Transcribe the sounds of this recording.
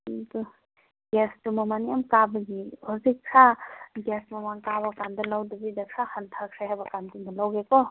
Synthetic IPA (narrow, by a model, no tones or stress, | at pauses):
tu | ɡestumamanijamkabɯɡihuzikʰɾaɡesmamaŋkabakandɔlawdubidakʰɾahantʰakʰɾahajbakantundɔlawɡekɔ